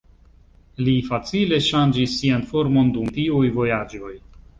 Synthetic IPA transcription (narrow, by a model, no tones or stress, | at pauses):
lifat͡sile̞ʃand͡ʒisːianfo̞ɾmo̞ndumtiujvo̞jad͡ʒo̞j